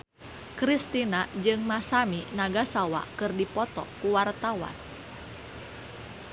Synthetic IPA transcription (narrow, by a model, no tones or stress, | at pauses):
kɾist̪inad͡ʒɨŋmasaminaɡasawa̰kɨrdipɔt̪ɔ̰kuwart̪awa̰n